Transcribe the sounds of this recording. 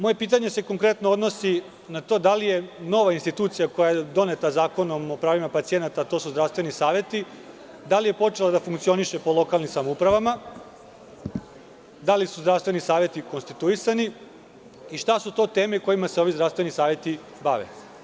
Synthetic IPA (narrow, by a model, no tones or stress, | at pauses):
mo̞je̞piːt̪̬aɲe̞se̞ko̞ŋkɾe̞t̪nood̪no̞si | nat̪o̞ːd̪alije̞no̞ʋainst̪it̪uːt̪sijako̞jajed̪o̞net̪azaːko̞nomopɾaːʋimapat̪sie̞nat̪at̪o̞suzd̪ɾaʋst̪ʋe̞nisaːʋje̞t̪i | d̪alije̞po̞t͡ʃe̞lad̪afuŋkt̪sio̞niʃe̞po̞lo̞kalˠnimsamoupɾaʋama | d̪alisuzd̪ɾaʋst̪ʋe̞nisaːʋje̞t̪iko̞nst̪it̪uisani | iʃt̪asut̪o̞ːt̪eːmeko̞jimaseo̞ʋizd̪ɾafst̪ʋe̞nisaːʋje̞t̪i | baʋḛ